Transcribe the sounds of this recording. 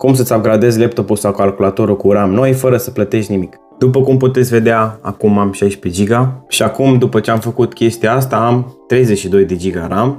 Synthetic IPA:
kumsət̪sʲab̚ɡɾad̪e̞zlep̚t̪o̞pulsawkalkulat̪oɾukuɾamno̞jfəɾəsəplət̪e̞ʃt̪nimik | d̪̥upəkumput̪e̞t̪sʲve̞d̪eaa̰kumamʃajʃped͡ʒiɡaʃiakumd̪upət͡ʃe̞amfəkut̪kʲe̞st̪ijaast̪aamt̪ɾe̞jzet͡ʃʃid̪o̞jd̪e̞d͡ʒiɡa̰ɾam

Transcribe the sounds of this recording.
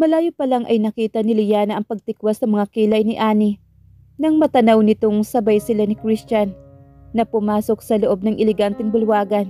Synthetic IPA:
mɐlaːjopɐlaŋʔɐjnɐkiːt̪ɐnɪlɪjaːnɐʔɐŋpɐɡ̚t̪ɪkwasɐŋmɐŋakiːlɐjnɪʔaːnɪ | nɐŋmɐt̪ɐnawnɪt̪o̞ŋsɐbajsɪlanɪkɾist͡ʃɐnːɐpʊmaːsok̚sɐloʔo̞b̚nɐŋʔɪlɛɡant̪ɛŋbʊlwaːɡɐn

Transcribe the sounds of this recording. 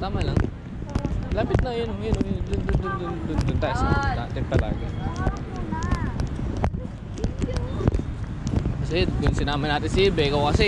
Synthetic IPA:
t̪aːmalɐŋ | laːpɪt̪̚nɐjonʊŋɐjonʊŋd̪ʊnd̪ʊnd̪ʊnd̪ʊnd̪ʊnd̪ʊnt̪aʔsat̪a̰t̪ɛppːɐla̰ːɡɐ | kɐsɛkʊŋsɪnaːmɐnaːt̪ɪnsɪbɛːkɐwkɐsɛ

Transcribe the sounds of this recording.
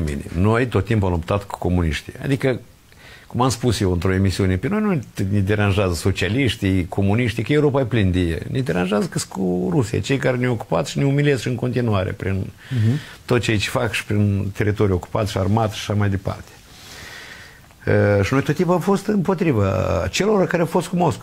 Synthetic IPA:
mḭnʲḭmnojt̪o̞t̪ːimpuamlupt̪at̪ku̥ko̞munḭʃt̪ḭja̰d̪ikə | kumamspusjewɨnt̪ɾo̞e̞misiunepeno̞jnunʲed̪e̞ɾanʒazəso̞t͡ʃialiʃt̪ijkʰo̞muniʃt̪ikəjeuɾo̞pajplind̪ejḛnʲed̪e̞ɾanʒazəkɨskuɾusija̰t͡ʃe̞jkaɾenʲeo̞ku̥pat̪sʃineumilʲesʃɨŋko̞nt̪inuaɾḛpɾin | t̪ot̪t͡ʃe̞jt͡ʃe̥fakʃi̥pɾint̪e̞ɾit̪o̞ɾʲujo̞ku̥pat̪sʲʃiarmat̪ʃḁʃamajd̪e̞pa̰rt̪e̥ | əʃino̞jt̪ot̪ːimpuamfo̞st̪ɨmpo̞t̪ɾiva̰t͡ʃe̞lo̞ɾakaɾeafo̞st̪̚kumo̞sko

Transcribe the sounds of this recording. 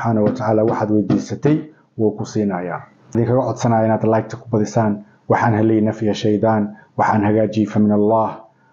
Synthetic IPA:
ħaːnɐwɐt̪ʰaʕaːlaːwɑħɑːd̪wɛjd̪iːsɐt̪ʰɛj | wuːkʰʊsiːnɐːjaː | ðiːŋkʰɐɣɐʕɔd̪sɐnaːjɐɪnaːd̪lajk̚t̪ʰɐ̥kʰʊ̥bɐðɪsaːn | wɑħɑːnɦɐlɛjnɐfɪjɐʃɛjd̪ɑːnwɑħɑːnhɐɣaːt͡ʃiːfɐmɪnɐlːɑːh

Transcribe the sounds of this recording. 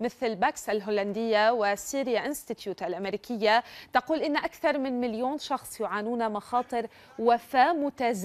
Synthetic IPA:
mɪθlbaːksʔalɦoland̪ɪjːawɪsiːɾjaʔɪnst̪ɪt̪juːt̪ʔalʔameɾiːkɪjːat̪ɑquːlʔɪnːʔakθɑɾˤmɪnmɪljoːnʃɑxsˤjʊʕaːnuːnamɑxɑːt̪ˤɨɾ | wafaːmʊt̪az

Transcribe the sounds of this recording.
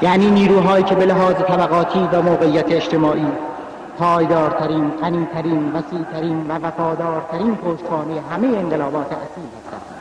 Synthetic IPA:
jæːniːniːɾuːɦɒːjiːcʰebeleɦɒːzet̪ʰæbæɣɒːt̪ʰiːvæmoːɣeijːæt̪ʰeːʃt̪emɒːʔiː | pʰɒːjd̪ɒːɾt̪ʰæɾiːnɢæniːt̪ʰæɾiːnvæsiːʔt̪ʰæɾiːnvævæfɒːd̪ɒːɾt̪ʰæɾiːnpʰoːʃt̪xɑːnejeɦæmejeeɴɢelɒːbɒːt̪ʰeʔæ̰siːlhæst̪æ̰nd̪̥

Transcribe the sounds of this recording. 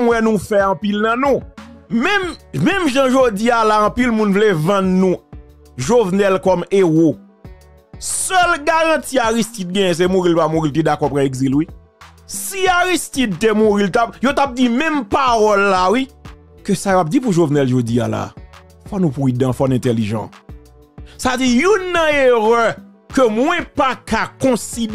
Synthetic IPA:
mwɛnũfɛɐ̃pilnɐ̃nũmɛ̃mmɛ̃mʒãʒod͡zialaɐ̃pilmũnvlevɐ̃nnũ | ʒovnɛlkɔmeɣo | sœlɡaɣɐ̃tiaɣistit̪̚ɡɛ̃jɛ̃s̬emuɣilpamuɣilt̪̬edakɔpɣãeɡzilwi | siaɣistit̪tːemuɣilt̪ap̚jot̪ap̚d͡zimɛ̃mpaɣɔlːawi | køsajoap̚d͡zipuʒovnɛlʒod͡zija̰la̰ | fwɔnũpwidãfɔnɛ̃t̪eliʒɑ̰̃ | sad͡zijunːɐ̃eʁœ | kømwɛ̃pakakɔ̃sid

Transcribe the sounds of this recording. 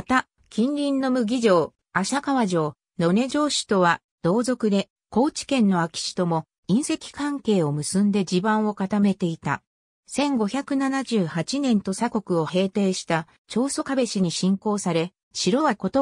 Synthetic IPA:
at̪a | kʲĩnɾʲĩnːo̞mɯ̟ɡʲiʑo̞ː | aɕakaβaʑo̞ː | no̞ne̞ʑo̞ːɕi̥t̪o̞βa | d̪̥o̞ːzo̞kɯ̟d̪e̞ | ko̞ːt͡ɕi̥kẽ̞nːo̞akʲi̥ɕi̥t̪o̞mo̞ | ĩɰ̃se̞kʲi̥kãŋke̞ːo̞mɯ̟sɨ̃nd̪e̞d͡ʑibãɰ̃o̞kat̪ame̞t̪e̞it̪a̰ | sẽ̞ŋɡo̞çʲakɯ̟nanaʑɨːhat͡ɕinẽ̞nt̪o̞sako̞kɯ̟o̞he̞ːt̪e̞ːɕi̥t̪a | t͡ɕo̞ːso̞kabe̞ɕiɲ̟iɕĩŋko̞ːsaɾe̞ | ɕiɾo̞kot̪o

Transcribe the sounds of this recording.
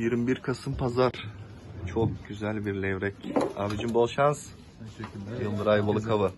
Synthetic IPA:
jiɾmbiɾkʰasɯmpʰazaɾ̥ | t͡ʃʰokɟ̥yzælʲbiɾlʲɛvɾɛcabid͡ʒinbolˠʃans | ɯld̪ɯɾajbolˠɯkʰaβɯ

